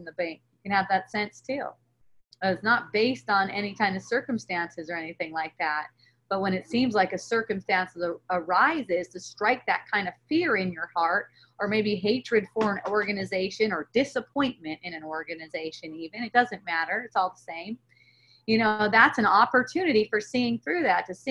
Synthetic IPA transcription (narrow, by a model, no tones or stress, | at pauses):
n̩ðəbæ̃ŋkjɨkɨ̃nɨvðɨtsɛ̃nstʰʉ̰ | tsnət̚b̥eɪstn̩ɛɾ̃itʰãɪ̃ndʌv̥sɜ˞kɨ̃m̩stæ̃nsɨzə˞ɛniθɪ̃ŋlaɪk̚ðæt̚ | b̥ʌt̚wə̃nɨtsĩmzlaɪkɨsɜ˞kɨ̃mstæ̃nsəzəəɹaɪzɪz̥tʰɨstɹ̥aɪk̚ðɨt̚kʰãɪ̃ndʌv̥fɪɹɪ̃njə˞hɑɹt̚ | ə˞meɪbiɦeɪt͡ʃɹ̥ɨd̥fə˞ə̃nɔɹɡɨnɨzeɪʃɨ̃nə˞dɪsəpʰɔ̃ɪ̃nmɨ̃ntɨ̃ñɨ̃nɔɹɡɨnɨzeɪʃɨ̃nivɨ̃nɨt̚d̥ʌzɨ̃nmæɾə˞ɨtsɔlˠðəsẽɪ̃m | jɨñoʊðætsɨ̃nɑpə˞tʰʉnɨɾifə˞siɪ̃ŋθɹʉðætʰɨsi